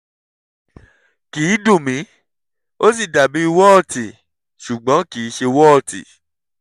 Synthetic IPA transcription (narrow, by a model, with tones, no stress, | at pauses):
kiː˨˦dũ˦˨mĩ˨˦ | o˦s̬i˦˨da˨bi˨˦i˧wɔ˦ɔ˦˨ti˨ | ʃu˨ɡ͡bɔ̃˨˦ki˨˦ʃe˧wɔ˦ɔ˦˨tḭ˨